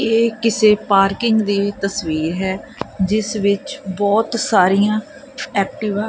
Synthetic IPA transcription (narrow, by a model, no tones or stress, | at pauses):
eːkɪseːpaːɾkɪŋɡd̪iːt̪əsʋiːɾɦɛːd͡ʒɪsʋɪt͡ʃbɔːt̪saːɾiːãː | ɛːk̚ʈɪʋaː